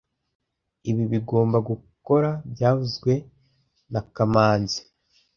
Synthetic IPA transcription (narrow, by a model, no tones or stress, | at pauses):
iβiβiɡo̞ːmbaɡuko̞ɾabjaːvuzɡwe̞ | nakamaːnzi̥